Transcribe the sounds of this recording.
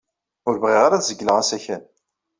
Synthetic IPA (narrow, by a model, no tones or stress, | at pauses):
ʊɾvʁiʁaɾaθzəɡːləʁæsæçæn